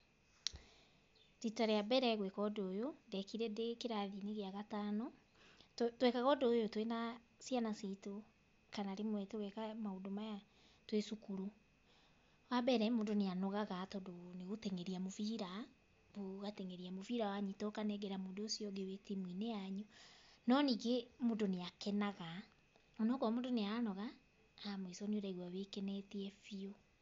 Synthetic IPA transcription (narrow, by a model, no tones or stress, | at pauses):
ɾitaɾeabɛɾɛɣwekɔdojondɛkiɾɛdekeɾaðineɣeaɣatanɔ | twɛkaɣɔdojotwena | sjanasito | kanaɾemwɛtoɣɛkamaodomaja | twesukuɾu | wabɛɾɛmoːndoneanɔɣaɣatɔdoneɣotɛŋɛɾiamoviɾa | βoɣatɛŋeɾiamoviɾawaɲitɔkanɛɡɛɾamodoːsjɔðiɔwetimwineaɲunɔniɡemoːndoneakɛnaɣa | ɔnɔkamoːndoneanɔɣa | amwisɔnioɾɛɣwawekɛnɛtiɛfio